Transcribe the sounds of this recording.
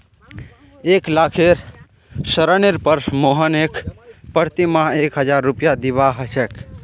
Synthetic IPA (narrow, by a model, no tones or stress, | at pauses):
eklakʰeɾ | səɾəneɾpəɾmoɦənekpəɾt̪imãekɦəd͡ʒaɾːupjad̪iβaɦəsɛk